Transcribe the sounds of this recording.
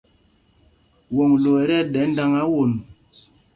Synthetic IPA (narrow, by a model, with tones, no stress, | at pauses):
wo˨ŋlo˨ɛ˨˦ɾɛ˦ɗɛ˨˦n̩˦da˦ŋa˦wo˨n˨